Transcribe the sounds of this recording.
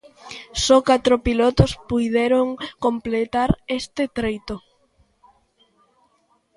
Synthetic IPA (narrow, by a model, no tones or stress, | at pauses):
sɔkat̪ɾopilot̪ospujðeɾoŋkomplet̪aɾest̪et̪ɾejt̪o